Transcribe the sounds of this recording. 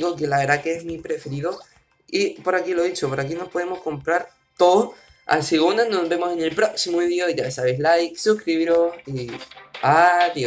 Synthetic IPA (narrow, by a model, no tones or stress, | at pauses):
ɣokelaβe̞ɾðakeezmipɾe̞feɾiðo̞ | ipo̞ɾakilo̞ðit͡ʃopoɾakino̞spo̞ðemo̞sko̞mpɾaɾ | t̪o̞ðo | a̰lseɣund̪anozβe̞mo̞sene̞lpɾo̞ksimoiðjoʝasaβejslajksuskɾiβiɾo̞si | at̪i